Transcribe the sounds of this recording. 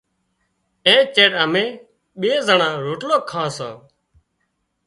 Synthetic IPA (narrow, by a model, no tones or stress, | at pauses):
ẽːt͡ʃeːɗəmẽː | ɓeːzəɳãːɾoːʈloːkʰːãːsãː